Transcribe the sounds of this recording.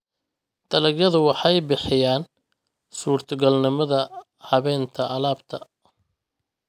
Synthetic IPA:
t̪ʰɐlɐɡjɐðʊwɑħɑjbɪħɪjaːn | suːrt̪ʰɔɡɐlnɪmɐðɐ | hɐβɛːnt̪ʰɐʔɐlaːbt̪ʰɐ

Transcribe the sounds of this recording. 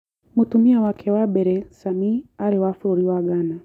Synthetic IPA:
mutumiawakʰɛwaɓɛɾɛsamiaɾiwafuɾuɾiwaɡana

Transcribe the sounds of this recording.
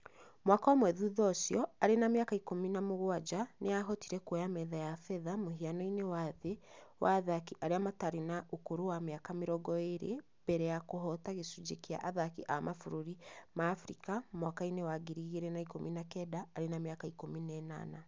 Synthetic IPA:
mwakaɔmwɛðuðɔsjɔaɾenameakaikominamoɣwad͡ʒaneaɦɔtiɾɛkwɔjamɛðajafɛðamoɦianɔinewaðewʔaðakiʔaɾeamataɾenaʔokoɾowameakameɾɔɡɔeɾḛ | b̥ɛɾɛjakoɦɔtaɣesud͡ʒekea̰ʔaðakiʔamʔafuɾoɾimaːfɾḭkamwakainewaɡiɾiɣeɾɛnaikominakɛdaːɾenamjakaikominɛna̰na

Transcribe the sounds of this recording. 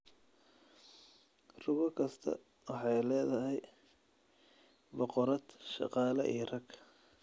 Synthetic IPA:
rʊɣɔkʰɐst̪ʰɐ̰ | wɑħɑjlɛːðɐɦɛj | bɔqɔɾɐd̪ʃɑ̰qɑːlɐʔijrɐɡ

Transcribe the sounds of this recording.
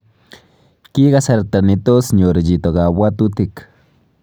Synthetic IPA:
kiɣasaɾt̪anit̪osɲoɾed͡ʒit̪oɣabwat̪ut̪ik

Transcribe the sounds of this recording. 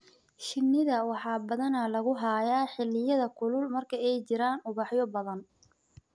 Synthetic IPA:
ʃɪnːɪðɐwɑħɑːbɐðɐnɐlɐɣʊɦaːjaːħɪlːɪjɐðɐkʰʊlʊlmɐrkʰɐɛjt͡ʃɪɾaːnʊβɑħjɔbɐðɐn

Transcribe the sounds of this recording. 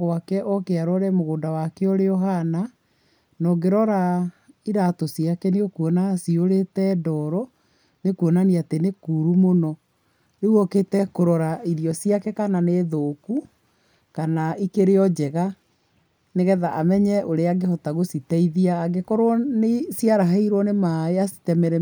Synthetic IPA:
ɣwakɛʔɔkeaɾɔɾɛmoɣoːndawakeɔɾeɔɦana | nɔɡeɾɔɾaiɾatɔsiakɛneokuɔnasioɾetɛdɔɾɔ | nekuɔnaniatenekuɾumonɔ | ɾeuɔketɛkoɾɔɾaiɾiɔsiakɛkananeːðoːku | kanaikeɾeɔd͡ʒɛɣa | neɣɛðaʔamɛɲɛʔoɾeaɡehɔtaɣositɛiðiaːɡekɔɾwɔnesiaɾaɦaiɾwɔnemaeasi̥tɛmɛɾɛ

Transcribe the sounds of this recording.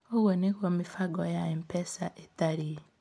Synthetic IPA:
oɣwonehwomifaɡɔjaem̩pɛsaʔetaɾi

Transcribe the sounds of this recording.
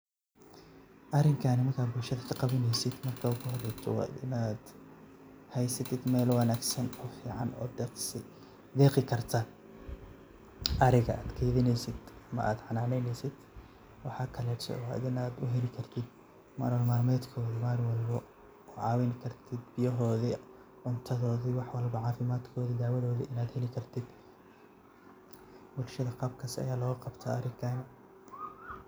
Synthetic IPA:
ʔɐrɪŋkʰaːnɪmɐrkʰaːd̪bʊlʃɐðɐkʰɐqɑβɪnɛjsɪd̪mɐrkʰaːʊkʰʊhɔrɛjt̪ʰɔ̰w̰ɪ̰naːd̪ | hɛjsɐt̪ʰɪd̪mɛːlwɐnaːɡsɐnɔːfiːʕɑ̰nɔ̰ːd̪ | d̪ɛːqɪkʰɐrt̪ʰɐ | ʔɐɾɪɣɐaːd̪kʰɛːðɪnɛjsɪd̪ɐmɐʔaːd̪ʕɑnaːnɛjnɛjsɪd̪̥ | wɑħɑːkʰɐlɛːɾsɔ̰ɐ̰ðɪnaːd̪ʊɦɛlɪkʰɐrt̪ʰɪd̪ | ma̰ːɾwɐlmaːlmɛːd̪kʰɔːðimaːrwɑlbɐ | ɔʕɑːwɛnkʰɐrt̪ʰɪd̪bɪjɐɦɔːði | ʕʊnt̪ʰɐðɔːðiwɑħwɐlbɐʕɑːfɪmaːd̪kʰɔːðid̪aʕwɐðɔːðiʔɪnaːd̪hɛlɪkʰɐrt̪ʰɪd̪ | bʊlʃɐðɐqɑb̚kʰɐsɐ̰jaːlɔːɣɐqɑbt̪ʰɐɐɾɪɡʰaːn

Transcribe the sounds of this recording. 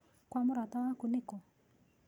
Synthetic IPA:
kwamʊɾatawakʊnɪkɔ

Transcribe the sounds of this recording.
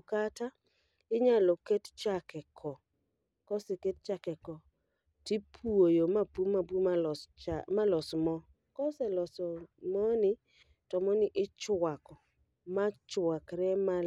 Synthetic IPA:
kata | ɪɲalɔkett͡ʃakɛkʰɔ | kɔsɛket̚t͡ʃakɛkɔ | tipʰuojomapumabumalɔsmɔ | kɔsɛlɔsɔmɔnɪ | tɔmɔnɪʔɪt͡ʃwakɔ | mat͡ʃwakɾɛma

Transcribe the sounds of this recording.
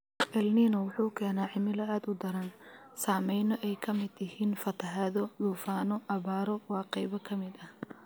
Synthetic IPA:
ʔɛlniːnɔwʊħuːkʰɛːnaːʕɪmɪlɐaːd̪ʊd̪ɐɾɐn | saːmɛjnɔʔɛjkʰɐmɪd̪ɪhiːnfɐt̪ʰɐɦaðɔluːfaːnɔʔɐβaːɾɔwɑːqɛjβɐkʰɐmɪd̪ɐh

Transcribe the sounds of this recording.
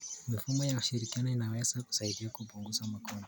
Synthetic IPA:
mifumɔjauʃiɾikianɔinawɛzaku̥saiɗiwakupuŋɡuzamakɔnɔ

